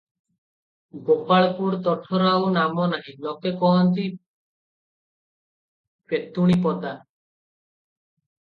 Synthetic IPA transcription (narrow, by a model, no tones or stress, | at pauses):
ɡopaɭɔpuɾt̪ɔʈʰɔɾawnamɔnaɦĩlɔkekɔɦɔnt̪i | pet̪uɽ̃ip̬ɔt̪a